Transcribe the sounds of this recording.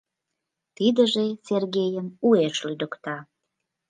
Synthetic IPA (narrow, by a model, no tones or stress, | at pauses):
t̪id̪əʒeserɡʲejəmueʃlyd̪əkt̪ɑ